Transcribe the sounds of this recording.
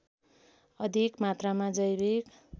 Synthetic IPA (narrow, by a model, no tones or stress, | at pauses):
ʌd̪ʱikmat̪ramad͡zʌjbek